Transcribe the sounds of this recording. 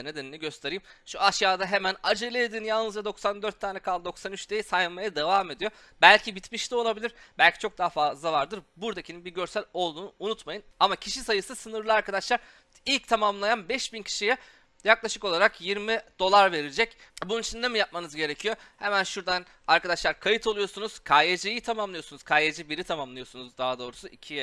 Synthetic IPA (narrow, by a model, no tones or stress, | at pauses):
ne̞d̪eninʲiɟø̞st̪ʰe̞ɾijːmʃuaʃjaːd̪aɦe̞mænad͡ʒɯlˠeed̪iːnjalˠnɯzd͡ʒad̪o̞ksand̪øɾt̪ʰːaːnɛkʰalˠd̪o̞ksanyt͡ʃt̪ejisajɯnˠmajad̪e̞vaːme̞d̪ijo̞ | bælʲcʰibit̪miʃt̪olˠabilʲiɾbælʲcʰi̥t͡ʃʰo̞k̚d̪aɦfazlˠavaɾd̪ɯɾbuɾd̪acʰininbiɾɟø̞ɾsælʲo̞lˠd̪uːnuunut̪majɯnamacʰiʃisajɯsɯsɯnɯɾlˠɯaɾkad̪aʃlˠaɾ | ilʲc̚t̪ʰamamlˠajanbɛʃbincʰi̥ʃijɛ | jaklˠaʃɯko̞lˠaɾakjiɾmid̪̥o̞lˠaɾve̞ɾid͡ʒɛcbununit͡ʃʰind̪emijap̚manɯzɟe̞ɾe̞cʰijo̞hemænʃuɾd̪an | aɾkad̪aʃlˠaɾkʰajɯt̪ʰo̞lˠujo̞sunuz̥kʰajed͡ʒejit̪ʰamamlˠɯjo̞sunuz̥kʰajed͡ʒibiɾit̪ʰamamlˠɯjo̞sunuzd̪aɦad̪o̞ːɾusuʔicʰijɛ